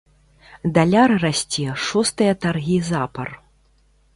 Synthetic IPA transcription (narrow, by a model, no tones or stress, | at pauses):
d̪alʲarrasʲt͡sʲɛʂɔst̪ɨjɐt̪arɣʲizapɐr